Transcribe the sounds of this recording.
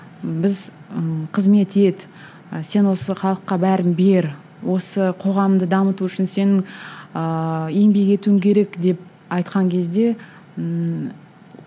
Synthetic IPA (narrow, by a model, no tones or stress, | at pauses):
bɪzəqʰəzme̞t̪e̞d̪ɪ | se̞nwo̞səχɑlˠəqːɑbæɾɪnbe̞ɾ | wo̞səqʰo̞ʁɑmmd̪əd̪ɑmət̪uʏʃɪnse̞nɪŋəe̞mbeɡʲe̞t̪uɪŋkʲʰe̞ɾe̞kd̪e̞p̚ | ɑjt̪qɑŋkʲʰe̞zd̪e̞